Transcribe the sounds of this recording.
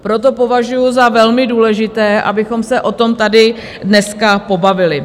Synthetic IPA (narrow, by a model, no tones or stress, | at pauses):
pɾo̞t̪o̞po̞vaʒujʊzavɛlmɪduːlɛʒɪt̪ɛːʔa̰bɪxo̞msɛʔo̞t̪o̞mt̪adɪ | dnɛskapo̞bavɪlɪ